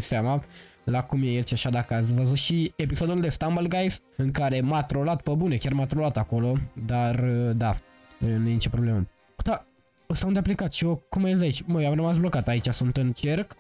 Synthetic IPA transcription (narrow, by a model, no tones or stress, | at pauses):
seamalakumjejelt͡ʃaʃad̪akəat̪sʲvəzut̪ʃiepiso̞d̪uld̪e̞st̪ambəlɡajsɨŋkaɾe̞mat̪ɾo̞lat̪pəbune̞kʲarmat̪ɾolat̪ako̞lo̞d̪ard̪a | nujenit͡ʃepɾo̞ble̞mə | kut̪a | ost̪aund̪eaplekat̪ʃiokumajes̬d̪ait͡ʃʲməamrəmasblo̞kat̪ait͡ʃasunt̪ɨnt͡ʃe̞rk